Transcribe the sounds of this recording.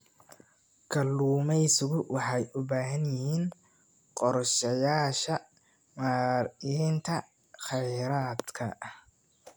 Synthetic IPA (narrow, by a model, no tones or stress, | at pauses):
kʰɐlːuːmɛjsʊɣʊwɑħɑjʔʊbaːɦɐnjɪɦiːn | qɔrʃɐjaːʃɐ | maːrint̪ʰɐ | χɛjɾaːd̪kʰɐ̰ʔ